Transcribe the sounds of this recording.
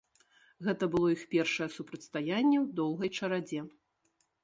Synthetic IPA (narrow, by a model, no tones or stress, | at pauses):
ɣɛt̪ɐbɨlˠɔixpʲɛrʂɐjɛsupɾɐt̪ʲst̪ajanʲːɛwd̪ɔwɣɐjt͡ʂɐɾad͡zʲɛ